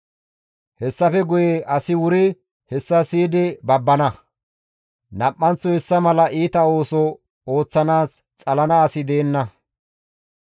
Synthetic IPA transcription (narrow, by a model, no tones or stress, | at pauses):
hɛsːɐfɛɡʊjeʔɐsɪwʊɾɪ | hɛsːɐsiːd̪ɪbɐbːɐnɐ | nɐpʼːɐnt͡sɔhɛsːɐmɐlɐʔiːt̪ɐo̞ːsɔ | o̞ːt͡sːɐnaːs | t͡sʼɐlɐnɐːsɪd̪e̞ːnːɐ